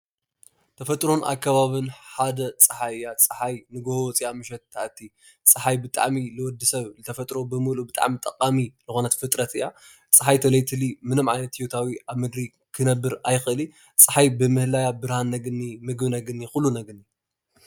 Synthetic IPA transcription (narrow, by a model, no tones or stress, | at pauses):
t̪ʰɐfɐt̪ʼɾonʔa̰kʰːɐβaβɨnħad̪ɐt͡sʼɨħajat͡sʼɨħajnɨɡohowɔt͡sʼiamɨʃ̬ɛt̪ːʰaʔt̪ʰːi | t͡sʼɨħajbɨt̪ʼa̰ʕmilɨwɔd̪ːɨsɐβzɨt̪ʰɐfɐt̪ʼɾo̞bɨmɨlubɨt̪ʼa̰ʕmit̪ʼɐqʼaminɨxonɐt̪fɨt̪ʼɾɐt̪ɨja | t͡sʼɨħajt̪ʰɐlɐjt̪ʰɨlimɨnɨmʕajnɐt̪ijot̪ʰawiaβmɨɡ̪ɾi | kʰɨnɐbːɨɾajxɨʔɨli | t͡sʼɨħajbɨmɨhlajabɨɾhanːɐɡɨnːimɨɡbɨnɐɡɨnːixʊlːunɐɡɨnːi